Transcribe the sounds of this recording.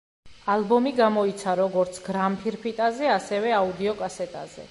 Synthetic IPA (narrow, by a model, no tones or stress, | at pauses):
alˠbɔmiɡamɔit̪sʰaɾɔɡɔɾt̪sʰɡɾampʰiɾpʰit̪ʼazɛasɛvɛaud̪iɔkʼasɛt̪ʼa̰zɛ̰